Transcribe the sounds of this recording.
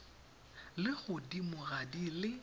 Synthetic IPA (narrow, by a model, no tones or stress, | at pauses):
lɪɣʊdimʊɣadilɪ